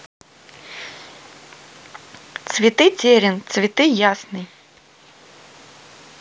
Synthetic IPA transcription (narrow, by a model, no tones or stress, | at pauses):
t̪svʲit̪ɨt͡sʲɛɾʲɛnt̪svʲit̪ɨjasnɨj